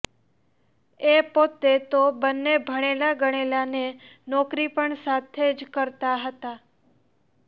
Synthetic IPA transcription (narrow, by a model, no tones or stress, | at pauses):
epot̪et̪obənːebʱəɽ̃elaɡəɽ̃elanenɔkɾipəɳsat̪ʰed͡ʒkəɾt̪aɦət̪a